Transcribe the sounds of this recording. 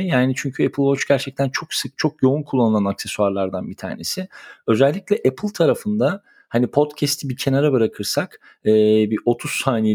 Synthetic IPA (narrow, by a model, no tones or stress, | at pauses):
jaːnit͡ʃʰyɲcʰyɛpʰɯlˠvot͡ʃɟæɾt͡ʃʰɛc̚t̪ʰænt͡ʃʰo̞ksɯk̚t͡ʃʰo̞kjo̞unkʰulˠːanɯlˠanaksesuaɾlˠaɾd̪anbit̪ʰa̰ːɾne̞̰sɪø̞zɛlʲːiclʲɛʔɛpʰɯlˠt̪ʰaɾafɯnd̪a | hanipʰo̞t̪cʰɛst̪ʰibicʰe̞naɾabɯɾakʰɯɾsakː | biʔo̞t̪ʰussaːnije